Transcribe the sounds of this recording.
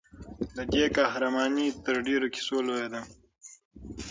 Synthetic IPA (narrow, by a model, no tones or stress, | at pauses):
lɐd̪ekaɦɾɐmɑːnit̪əɾɖeɾoki̥soloed̪a